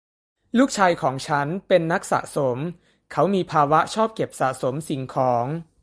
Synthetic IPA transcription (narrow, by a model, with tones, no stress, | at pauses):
luː˥˩k̚t͡ɕʰaː˧jkʰɔː˩˦ŋt͡ɕʰa˦˥npe˧nːa˦˥k̚sa̰˨˩ʔso˩˦m | kʰa˦˥wmiː˧pʰaː˧wa˦˥t͡ɕʰɔː˥˩p̚ke˨˩p̚sa̰˨˩ʔso˩˦msi˨˩ŋkʰɔː˩˦ŋ